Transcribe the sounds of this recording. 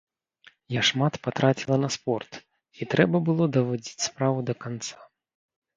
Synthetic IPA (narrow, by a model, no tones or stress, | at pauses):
jaʂmat̪pat̪ɾʔat͡sʲilˠɐnɐspɔrt̪ | it̪ɾɛbɐbɨlˠɔd̪ɐvɔd͡zʲit͡sʲspɾavud̪ɐkant̪sḁ